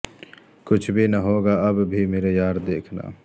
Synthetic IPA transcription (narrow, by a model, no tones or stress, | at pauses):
kʊt͡ʃʰbʱinɐɦoːɡaɐbbʱimeːɾejaːɾd̪eːkʰna̰ː